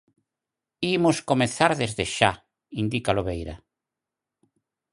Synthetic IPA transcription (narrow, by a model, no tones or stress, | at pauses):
imʊskomeθaɾðezðeʃa | ind̪ikaloβejɾɐ